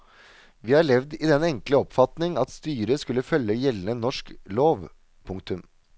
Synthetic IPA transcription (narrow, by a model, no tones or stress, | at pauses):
ʋiːhɑɭɛʋd̪ɪd̪ɛnɛŋkləɔpfɑt̪nɪŋɑt̪st̪yːɾəskʉlːəfœlːəjɛlːənənɔʂkloːʋ | pʰʊŋk̚t̪ʉm